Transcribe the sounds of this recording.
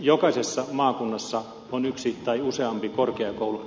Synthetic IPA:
jokɑisesːɑmɑːkunːɑsːɑ | onyksit̪ɑiuseɑmpikorkeɑkoulu

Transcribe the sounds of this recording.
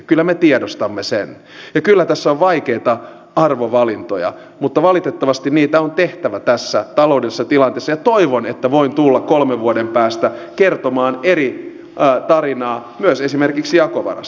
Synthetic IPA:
kylːæmet̪iedost̪ɑmːesḛn | jɑkylːæt̪æsːoʋʋɑikeit̪ɑ | ɑrʋoʋɑlint̪ojɑ̰ | mut̪ːɑʋɑlit̪et̪ːɑʋɑst̪inniːt̪æont̪eht̪æʋæt̪æsːæt̪ɑlo̞udesːɑt̪ilɑnt̪eːsːɑjɑt̪oiʋonet̪ːæʋoint̪ulːɑkkolmeʋʋuodempæːst̪ækert̪omɑːneɾi | t̪ɑrinɑːmyøsesimerkiksijɑkoʋɑ̰rɑ̰s

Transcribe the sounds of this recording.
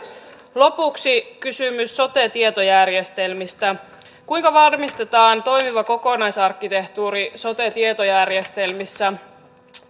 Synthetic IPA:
lo̞puksikysymysːo̞t̪e̞t̪iet̪o̞jærje̞st̪e̞lmist̪æ | kujŋkɑʋɑrmist̪et̪ɑːnt̪o̞jmiʋɑko̞ko̞nɑjsɑrkːit̪e̞ht̪uːɾiso̞t̪e̞t̪iet̪o̞jærje̞st̪e̞lmisːæ

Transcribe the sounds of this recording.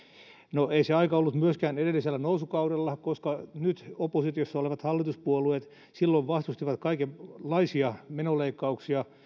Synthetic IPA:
noeiseɑikɑolːut̪myøskæːnedelːiselːænousukɑudelːɑkoskɑnyt̪opːˑosit̪josːɑoleʋɑt̪hɑlːit̪uspuoluet̪ | silːoiʋʋɑst̪ust̪iʋɑt̪kɑikelɑisiɑmenoleikːɑuksiɑ

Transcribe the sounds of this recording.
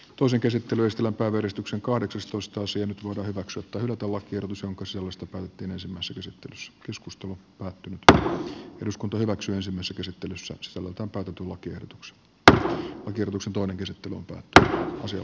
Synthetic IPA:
t̪oiseŋkesit̪ːelyest̪elæmpæiʋæjærist̪ykseŋkɑhɾeksɑst̪oist̪ɑɑsiɑnyt̪ʋoidɑːhyʋæksyæt̪ːæhylæt̪ælɑkːˑiehɾot̪usjoŋkɑsisælːst̪ɑpæːt̪et̪ːiːnensimːæisːækesit̪ːelysːæ̥keskust̪elupæːt̪ːynyt̪ | eɾuskunt̪ɑhyʋæksyːensimːæˑisːækesit̪ːelysːæ̰si̥sælːḛlt̪æːmpæːt̪æt̪ylɑkːiḛhdot̪u̥kse̥ | lɑkierɾot̪uksent̪oineŋkesit̪ːelyo̰mpæ̰ːt̪ːynyɑ̰siɑ̰

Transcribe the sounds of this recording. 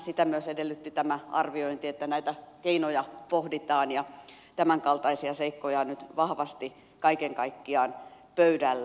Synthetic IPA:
sit̪æmyøsedelːyt̪ːit̪æmæɑ̰rʋioint̪iet̪ːænæit̪ækeinojɑpohdit̪ɑːnjɑ | t̪æmæŋkɑlt̪ɑisiɑseikːojɑnyt̪ʋɑhʋɑst̪i | kɑikeŋkɑikːiɑːn | pøydælː

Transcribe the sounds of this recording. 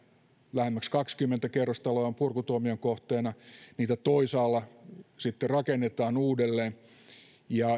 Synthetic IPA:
læhemːækskɑkskymːent̪ækerːost̪ɑloɑompurkut̪uoːmioŋkoht̪eːnɑniːt̪æt̪oisɑːlːɑsit̪ːerɑkenːet̪ɑːnuːdelːeːn | jɑ

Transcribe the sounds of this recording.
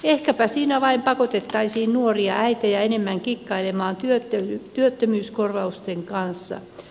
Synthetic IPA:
ehkæpæsiːnæʋɑimpɑkot̪et̪ːɑisiːnnuoriɑ̰ʔæit̪æjɑenemːæŋkikːɑilemɑːnt̪yøt̪ːøt̪yøt̪ːømyːskorʋɑust̪eŋkɑnsːɑ̰

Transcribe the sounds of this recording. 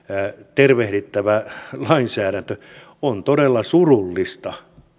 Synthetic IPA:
t̪erʋehɾit̪ːæʋælɑinsæːɾænt̪ø | ont̪odelːɑsurulːist̪ɑ

